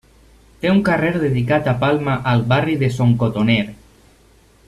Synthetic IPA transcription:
t̪euŋkareɾðeðik̬at̪apalˠmaʔalˠβariðesoŋkot̪oneɾ

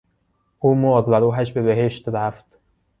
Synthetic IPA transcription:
ʔuːmoɡ̪væɾuːɦæʃbebeɦeʃt̪ɾæft̪

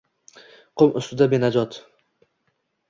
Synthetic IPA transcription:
qʰʊmʔʊst̪ʊd̪abenad͡ʒɒt̪

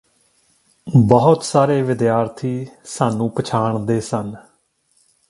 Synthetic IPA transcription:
bəɦʊt̪saːɾeːʋɪd̪jaːɾt̪ʰiːsaːnũːpət͡ʃʰaːɳd̪eːsən

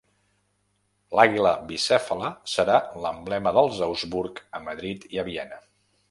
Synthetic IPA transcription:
laɣiləbisɛfələsəɾaləmblɛməðəlˠzəwzβuɾkəməðɾit̪iəβiɛnə

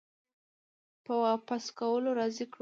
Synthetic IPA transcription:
pəwɑpaskawəloɾɑzikɽ

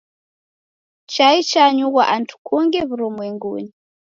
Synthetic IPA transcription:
t͡ʃait͡ʃaɲuɣwaʔantʰu̥kʰuŋɡɛβuɾɔmwɛŋɡṵni

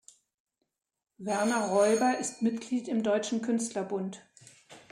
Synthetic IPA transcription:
vɛɐnɐʁɔʏbɐʔɪstmɪtɡ̥liːtɪmdɔʏt͡ʃn̩kʰʏnstlɐbʊnt

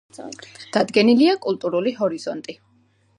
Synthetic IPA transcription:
d̪̥ad̪ɡɛniliakʼulˠt̪ʼuɾuliɦɔɾiz̥ɔnt̪ʼi

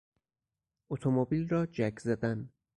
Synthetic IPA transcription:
ot̪ʰomobilrɒːd͡ʒækʰzæd̪æn

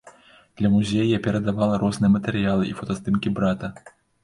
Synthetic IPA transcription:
d̪̥lʲɐmuzʲejjapʲɛɾɐd̪avalˠɐɾɔznɨjɛmɐt̪ɛɾɨjalˠɨʔifɐt̪ɐst̪ɨmkʲibɾat̪ɐ

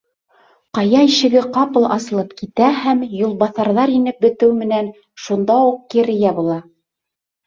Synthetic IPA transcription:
qɑjɑiʃɘ̆ɡɘqɑpɤ̆lˠʔɑ̰sɤ̆lˠɤpkit̪æhæmjulˠbɑθɑɾðɑɾinɘp̚bɘ̆t̪ɘwmɘ̆næn | ʃund̪ɑuq̚kĭɾɘ̆jæbulˠɑ

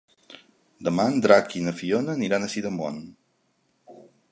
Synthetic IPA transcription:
d̪əmand̪ɾakinəfionəniɾanəsiðəmɔ̰n

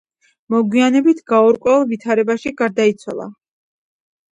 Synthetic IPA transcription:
mɔɡwianɛbit̪ʰɡaɔɾkʼwɛlˠvit̪ʰaɾɛbaʃiɡaɾd̪ait̪sʰwa̰lˠa̰

